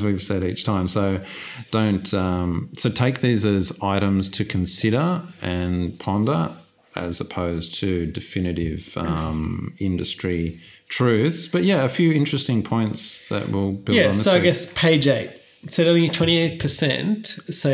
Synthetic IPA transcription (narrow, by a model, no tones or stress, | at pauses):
zwiv̥sɛɾit͡ʃtʰãɪ̃msoʊ | d̥õʊ̃ntʰʌ̃msoʊtʰeɪk̚ðizɨzaɪɾɨ̃mz̥tʰɨkʰn̩sɪɾə˞ɨ̃npʰɑ̃ndə˞ | ɨ̰zəpʰoʊztʰɨdɨfɪ̃nɨɾɪvʌ̃mɪ̃ndɨstɹ̥i | tʰɹ̥ʉθsb̥ʌʔ̚jæɨfjʉɪ̃nt͡ʃɹ̥ɨstɪ̃ŋpʰɔ̃ɪ̃ntsðɨ̰ʔ̚wɪlˠb̥ɪlˠædn̩ðoʊaɪɡɛspʰeɪd͡ʒeɪt | sɛɾõʊ̃litʰw̥ɛ̃ɾ̃ieɪt̚pʰə˞sɛ̰̃ntso